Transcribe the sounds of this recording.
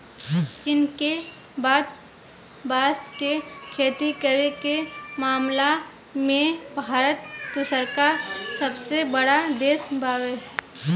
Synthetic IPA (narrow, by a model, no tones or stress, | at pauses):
t͡ʃɪnke | baːd̪̚ | baːskekʰeːt̪ikəɾekemaːmla | mẽbʱaːɾət̪ːʊsəɾkasəbsebəɽad̪eːsbaːweɦɛ